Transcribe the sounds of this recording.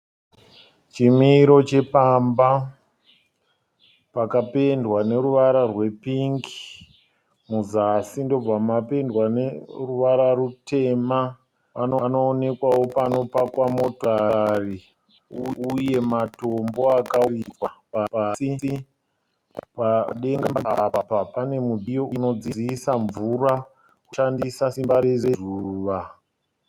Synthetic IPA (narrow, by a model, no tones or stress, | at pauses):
t͡ʃimiɾo̞t͡ʃepamba | pakape̞ndwane̞ɾuʋaɾarwe̞piŋki̥ | muzasindo̞b͡vamape̞ndwaneruʋaɾaɾute̞ma | ʋanono̞ːne̞kwawo̞pano̞pakwamo̞tari | uuje̞matombo̞akaikwapaasii | paɗe̞ŋɡamaapapapane̞mudijoʔuno̞d͡ziiisaɱvuɾa | kuʃandisasimbaɾezezuːʋa